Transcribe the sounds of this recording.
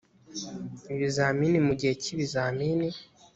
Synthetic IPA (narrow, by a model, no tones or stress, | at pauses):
iβizaːminimuɟiheciβizaːmini